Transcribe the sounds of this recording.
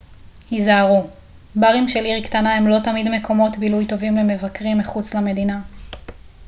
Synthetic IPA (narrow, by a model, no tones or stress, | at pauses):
hizaːʁu | baʁimʃe̞liʁktanahe̞mlo̞tamidme̞kʰo̞mo̞tbilujt̪o̞vimle̞me̞vakʁimːiχut͡slame̞dina